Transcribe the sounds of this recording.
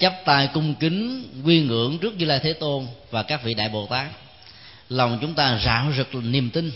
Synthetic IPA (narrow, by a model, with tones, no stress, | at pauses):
t͡ɕə˦˥p̚t̪aː˧˩jkʊ˧ŋ͡mkï˨˦ŋŋwi˧ŋɨ˧˩˥əŋt͡ɕɨ˦˥ək̚ɲɨ˧laː˧jt̪ʰe˨˦t̪o˧nvaː˨˩kaː˦˥k̚vḭ˧˨ɗa̰ː˧˨jɓo˨˩t̪aː˦˥k̚ | la˨˩wŋ͡mt͡ɕʊ˨˦ŋ͡mt̪aː˧za̰ː˧˩˥wzɨ˨˩k̚ni˨˩əmt̪ï˧ŋ